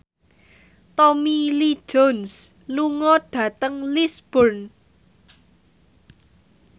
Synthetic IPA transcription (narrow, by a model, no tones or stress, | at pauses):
t̪ɔmili̥d͡ʒonsluŋɔɖ̥ä̤t̪əŋlisb̥ɔrn